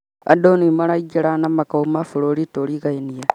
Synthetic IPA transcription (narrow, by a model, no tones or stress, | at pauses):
a̰donimalaid͡ʒeɾanamakaumafuloɾitolikaenija